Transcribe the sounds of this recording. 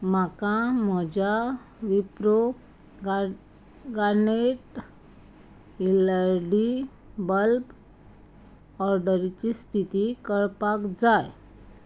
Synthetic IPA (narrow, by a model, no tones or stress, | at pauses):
makãm̤əd͡ʑa | ʋipɾo | ɡaɾneʈ | iləɾɖi | bəlp | ɔɾɖəɾit͡ɕist̪ʰit̪ikəɭpakd͡zaj